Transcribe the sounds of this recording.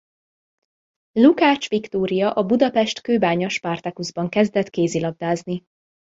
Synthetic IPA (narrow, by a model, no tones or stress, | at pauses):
lukaːt͡ʃʋikt̪oːɾijɒʔɒbud̪ɒpɛʃt̪køːbaːɲoʃpaːrt̪ɛkuzbɒŋkɛzd̪ɛt̪keːzilɒb̚d̪aːzni